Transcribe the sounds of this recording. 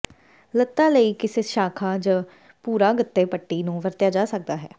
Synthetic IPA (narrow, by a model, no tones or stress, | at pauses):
lət̪ːaːləiːkɪseːʃaːkʰaːd͡ʒãː | puːɾaːɡət̪ːeːpəʈːiːnũːʋəɾt̪jaːd͡ʒaːsək̚d̪aːɦɛː